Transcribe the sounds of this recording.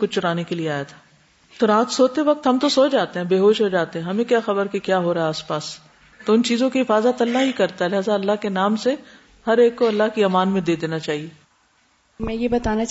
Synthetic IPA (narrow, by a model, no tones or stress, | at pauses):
kʊt͡ʃʊɾaːnekelieaːjat̪ʰḁː | t̪oɾaːt̪soːt̪eʋɐk̚t̪ɦɐmt̪osoːd͡ʒaːt̪eɦɛ̃ːbeːɦoːʃɦod͡ʒaːt̪eɛ̃ɦɐmẽkjaːxɐbəɾkekjaːɦoɾɐeaːspaːs | t̪oʊnt͡ʃiːzõkiɦɪfaːzət̪ɐlːaɦikɐɾt̪aɦɛlɪɦaːzaɐlːaɦkenaːmse | hɐɾeːkːoɐlːaɦkiɐmaːnmẽd̪eːd̪eːnat͡ʃaːɦieː | mɛ̃jebɐt̪aːna